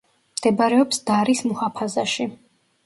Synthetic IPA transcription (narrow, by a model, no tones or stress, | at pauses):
md̪̥ɛbaɾɛɔpsd̪̥aɾismuhapʰazaʃi